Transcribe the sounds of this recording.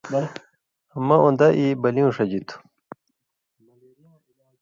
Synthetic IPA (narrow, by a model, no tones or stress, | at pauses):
ɐmɐʔũnd̪ɐʔibɐliũʂɐd͡ʑit̪ʰu̥